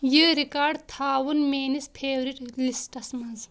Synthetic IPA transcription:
jiːɾikaːɾɖt̪ʰaːwunmeːnispʰeːwɾiʈlisʈɐsmɐz

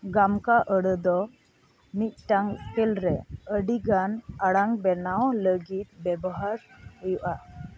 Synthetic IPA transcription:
ɡamkaʔəɽəd̪ɔ | mit̪̚ʈaŋkɛlɾɛəɖiɡanaɽaŋbɛnawləɡit̪̚bɛbɔɦaɾhɛjuʔa

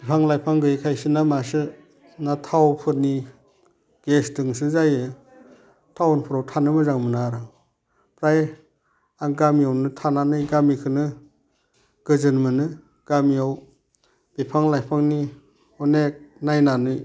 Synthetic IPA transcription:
bipʰaŋlajpʰaŋɡɯjkʰajsɯnamasɯ | natʰawpʰɯt̚ni | ɡ̥esdɯŋsɯzajɯ | tʰawnpʰɯɾawtʰanɯmɯzaŋmɯnaɾɯ | pɾaj | aŋɡamiawnɯtʰananɯjɡamikʰɯnɯ | ɡ̥ɯzɯnmɯnɯ | ɡ̥amiaw | b̥ipʰaŋlajpʰaŋni | ɔnek̚najnanɯj

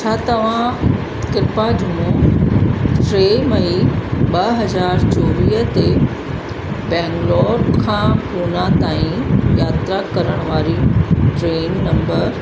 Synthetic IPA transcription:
t͡ɕʰaːt̪ɐʋ̤ã | kɪɾɪpad͡ʑʊmõ | ʈɾeːmɐiɓɐɦɐzaːɾt͡ɕoːʋiːɦət̪e | bɛ̃ːŋɡlɔːɾkʰãːkuːnãt̪aːĩjaːt̪ɾakɐɾəɽ̃ʋaːɾiʈɾeːnːɐ̃mbəɾ

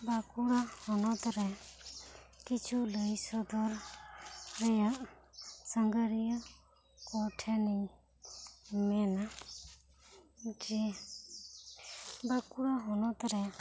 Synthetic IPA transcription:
bakuɽahɔnɔt̪ɾɛ | kit͡ʃʰuləjsɔd̪ɔɾ | ɾɛjaʔsəŋɡəɾijɔ | kɔʈʰɛni | mɛna | d͡ʒi | bakuɽaɦɔnɔt̪ɾɛ

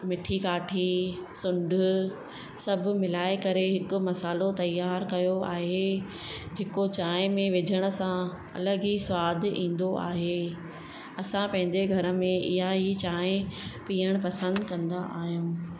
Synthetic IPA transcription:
mɪʈʰikaːʈʰisʊ̃ɳɖʱʊ | sɐbʱʊ̆mɪlaːekɐɾeɦɪkʊ̆mɐsaːlot̪ɐjːaːɾkɐjoaːɦe | d͡ʑʱeːkot͡ɕaːɪ̃mẽʋɪd͡ʑʱəɽ̃ʊ̆sã | ɐ̰ləɡiswaːd̪ʱĩːn̆d̪oʔa̰ːɦeː | ɐsãpɐ̃ɦɪ̃ɲd͡ʑeɡʱɐɾə̆mẽɪɦaɦit͡ɕaːẽpiːəɽ̃pɐsə̃nd̪kɐ̃nd̪aʔaːɦijũː

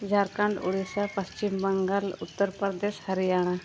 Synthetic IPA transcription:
d͡zʱaɾkãɳɖṵɽisapəst͡ɕimbəŋɡalṵt̪ːəɾpɾd̪eshəɾijaɽ̃a

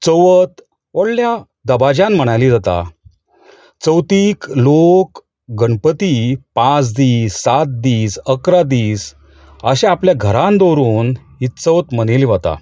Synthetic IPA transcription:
t͡səʋət̪ | əɽlja | d̪əbad͡ʑãnm̤əɽ̃alid͡zat̪a̰ | t͡səwt̪iːklok | ɡəɳpət̪ipãt͡sd̪iːsːat̪̚d̪iːsəkɾad̪iːs | əɕẽapljaɡʱəɾãnd̪oɾuːn | ɦit̪t͡səwt̪məneliʋat̪a̰

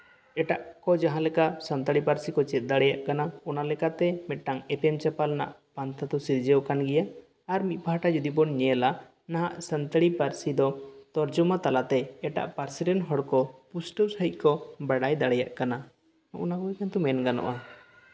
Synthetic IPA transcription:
ɛʈaʔkɔd͡ʒaɦãlɛkasənt̪əɽipaɾsikɔt͡ʃɛt̪̚d̪aɽɛjaʔkanaɔnalɛkat̪ɛmɛt̪̚ʈaŋɛpɛmt͡ʃɛpalna̰ʔpant̪ʰat̪ɔsiɾd͡ʒɛwkanɡɛjaː | ɾmit̪̚ˀpaɦaʈad͡ʒud̪ibɔnɲɛla | naɦaʔsənt̪əɽipaɾsid̪ɔt̪ɔɾd͡ʒumat̪alat̪ɛɛʈa̰ʔpaɾsiɾɛnɦɔɽkɔpusʈəsəɦic̪̚ˀkɔbaɽajd̪aɽɛjaʔkana | ɔʔɔnaɡɔɛkant̪ɔmɛnɡanɔ̰ʔa

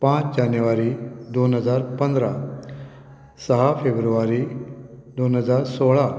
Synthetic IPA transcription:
pãt͡ɕd͡ʑanjuʋaɾid̪onɦəd͡zaɾpənd̪ɾa | səɦafebɾuʋaɾi | d̪onɦəd͡zaɾsoɭa

